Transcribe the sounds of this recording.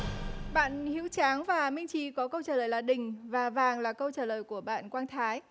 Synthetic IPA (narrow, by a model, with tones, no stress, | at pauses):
ɓa̰ː˧˨nhḭ˧˥wt͡ɕaː˨˦ŋvaː˨˩mï˧ŋ̟t͡ɕi˧˩˦kɔ˨˦kə˧wt͡ɕaː˧˩ləː˨˩jlaː˨˩ɗï˨˩ŋ̟vaː˨˩vaː˨˩ŋlaː˨˩kə˧wt͡ɕaː˧˩ləː˨˩jku˧˩əɓa̰ː˧˨nkwaː˧nt̪ʰaː˨˦j